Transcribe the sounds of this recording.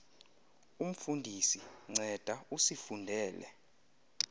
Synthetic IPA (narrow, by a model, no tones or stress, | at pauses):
um̩fundʱisiŋ͡ǀʱɛd̥ʱausifundʱɛːlɛ̰